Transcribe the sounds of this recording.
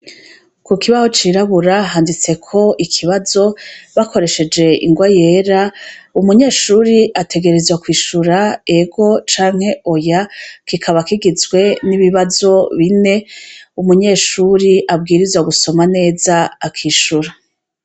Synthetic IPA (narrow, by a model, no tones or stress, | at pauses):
kukiβazot͡ʃiːɾaβuɾaɦaːndit͡se̞kʰo̞ʔikʰiβazo̞βakʰo̞ɾe̞ʃe̞d͡ʒe̞ʔḭŋɡwaje̞ːɾaumuɲe̞ːʃuːɾiʔatʰe̞ɡe̞ɾe̞zwakwiːʃuɾae̞ɡo̞t͡ʃaːŋhe̞o̞jakikʰaβakiɡizɡwe̞niβiβazo̞βine̞umuɲe̞ːʃuɾiʔabɡiːɾizwaɡuso̞mane̞ːzaːkʰiːʃuɾa